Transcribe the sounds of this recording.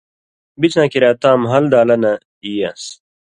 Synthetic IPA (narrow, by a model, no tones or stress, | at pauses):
bit͡ɕnãːkiɾaːt̪ãːmɦɐld̪aːlɐnɐ | iːjas